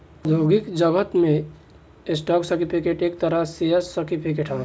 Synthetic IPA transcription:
d̪ʱoɡikd͡ʒəɡət̪mẽ | esʈaksəɾʈipʰikeʈeːk̚t̪əɾəseɦəsəʈipʰikeʈʰɦa

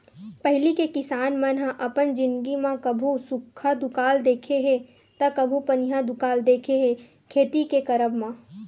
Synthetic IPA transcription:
pəɦlikekɪsaːnmə̃nɦãʔɐpənd͡ʒɪ̃nd̪ɡimãkɐbʱusʊkʰːad̪ʊkaːld̪eːkʰeɦẽ | t̪ɐkɐbʱupɐnɦad̪ʊkaːld̪eːkʰeɦẽ | kʰeːt̪ikekɐɾəbmã

